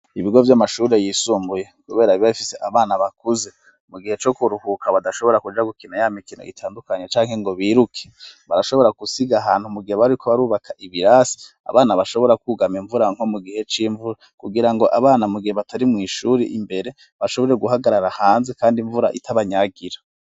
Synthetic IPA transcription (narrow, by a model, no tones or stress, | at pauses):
iβiɡo̞vjamaʃuɾejiːsuːmbuje̞kuβe̞ːɾaiβaβifiseʔaβaːnaβakuze̞ | muɡihe̞t͡ʃo̞kuɾuhukʰaβadaʃo̞βo̞ɾakud͡ʒaɡukinajamikino̰ḭtʰaːndukaɲet͡ʃaːŋhe̞ŋɡo̞βiːɾukʰe̥βaɾaʃo̞βoɾakusiɡaɦaːnhumuɡiheβaikoβaɾuːβakʰaʔiβiɾaːsi̥ | a̰βaːnaβaʃo̞βo̞ɾakuɡamiɱvuɾaŋ̥ho̞muɡihe̞t͡ʃiːɱvuɾa | kuɡiɾaŋɡo̞ʔaβaːnamuɡiheβatʰaɾimŋiːʃuːɾiʔimbe̞ɾe̞ | βaʃo̞βo̞ɾe̞ɡuɦaɡaɾaɾahaːnze̞kaːndiɱvuɾa̰ʔḭtʰaβaɲaɡiɾḁ